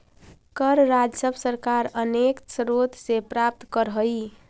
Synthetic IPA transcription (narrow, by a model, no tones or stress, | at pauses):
kəɾɾad͡ʒsəbʱsəɾkaɾəneksɾot̪sepɾap̚t̪kəɾɦəj